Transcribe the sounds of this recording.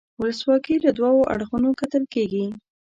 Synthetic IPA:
wʊləswɑkiləd̪wɑwoʔa̰ɽxunokat̪əlkeɡi

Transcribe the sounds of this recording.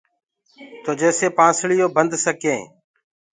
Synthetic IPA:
t̪oːd͡ʒeːseːpãːsɭɪjoːbənd̪ʱsəkẽː

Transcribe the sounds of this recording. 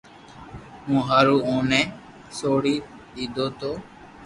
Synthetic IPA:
mũːɦaːɾuːõːnɛ̃ː | soːɽiː | iːd̪oːt̪oː

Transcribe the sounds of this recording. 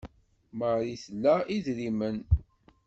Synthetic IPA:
məɾiθlːæiðɾimən

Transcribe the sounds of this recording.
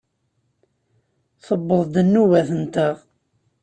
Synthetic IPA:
θəbːəðˤd̪ənːuvæθənt̪əʁ

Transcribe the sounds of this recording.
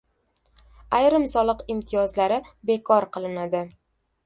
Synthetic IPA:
ajɾɪmsɒlˠɨqɪmt̪ʰijɒzlaɾɪbe̞kʰɒɾqʰɨlˠɪnad̪ɪ

